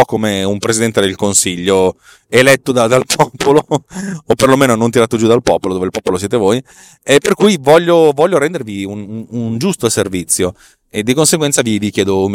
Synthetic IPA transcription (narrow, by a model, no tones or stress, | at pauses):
ɔkːomeumpɾesid̪ɛnt̪ed̪elkonsiʎːo | elɛt̪ːod̪ad̪alpʰɔpoloː | pːerlomeːnonont̪iɾaːt̪od͡ʒud̪alpɔːpolod̪oːveilpɔpolosjeːt̪evoj | epːerkujvɔʎːovɔʎːoɾɛnd̪eɾviunund͡ʒust̪oservit̪sːjo | ed̪ːikonseɡwɛnt̪savivikjɛːd̪om